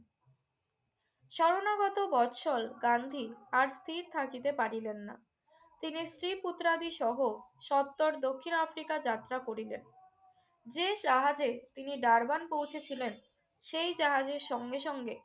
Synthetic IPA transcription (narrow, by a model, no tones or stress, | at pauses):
ʃɔɾonaɡɔt̪obɔtʃɔlɡand̪ʱiaɾst̪ʰiɾt̪ʰakit̪epaɾilenːa̰ | t̪inisɾiput̪ːɾad̪iʃɔɦoʃɔt̚t̪ːoɾd̪okʰːinafɾikad͡ʑat̪ːɾakoɾilen | d͡ʑeʃaɦad͡ʑet̪iniɖaɾbanpowt͡ɕʰet͡ɕʰilen | ʃejd͡ʑaɦad͡ʑeɾʃɔŋɡeʃɔŋɡe